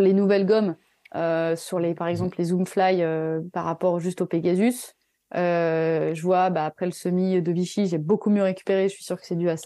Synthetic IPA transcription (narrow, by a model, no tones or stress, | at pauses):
lenuvɛlɡɔm | øsyʁlepaʁɛɡzɑ̃pllezumflajøpa̰ʁːapɔʁʒyst̪opeɡʲazys | øʒəvwabaːpχɛləsəmid̪əviʃiʒɛbokumjøʁekʲy̥peʁeʒəsɥi̥syʁkə̥sɛd̪yasa